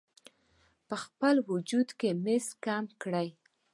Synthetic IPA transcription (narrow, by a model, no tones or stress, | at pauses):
pəxpəlwʊd͡ʒud̪kemeskamkɽəj